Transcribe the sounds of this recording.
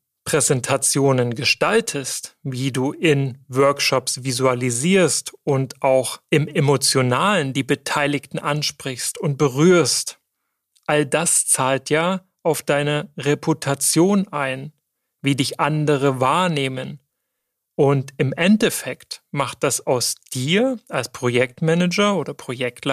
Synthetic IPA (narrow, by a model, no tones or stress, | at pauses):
pʁ̥ɛzɛntʰat͡sjoːnənɡəʃtaltʰəstviːduːʔɪnvœɐkʃɔpsv̥izualiziːɐstʊntʔaʊxʔɪmemot͡sjonaːləndiːbətʰaɪlɪktn̩ʔanʃpʁ̥ɪçstʊnt̚b̥əʁyːɐst | ʔaldast͡saːltʰjaː | ʔaʊfd̥aɪnəʁepʰutʰat͡sjoːnʔaɪn | viːdɪçʔandəʁ̞əvaːɐneːmən | ʔʊntɪmʔɛntɛfɛktmaχt̚d̥asaʊsd̥iːɐalspʁ̥ojɛk̚tmɛnəd͡ʒɐoːdɐpʁ̥ojɛktla